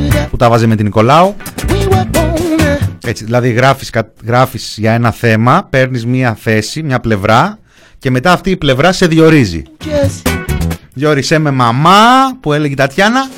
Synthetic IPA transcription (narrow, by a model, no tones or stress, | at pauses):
put̪ɐvɐzeme̞t̪iniko̞lɐuiw | e̞t͡siðilɐðiɣɾɐfiskɐɣɾɐfiz̥ʝɐe̞nɐθe̞mɐpe̞ɾnizmiɐθe̞simɲɐple̞vɾɐ | ce̞me̞t̪ɐːft̪iːple̞vɾɐse̞ðʝo̞ɾizḭ | ðjo̞ɾise̞me̞mɐmɐpue̞le̞ʝit̪ɐt̪çɐnɐ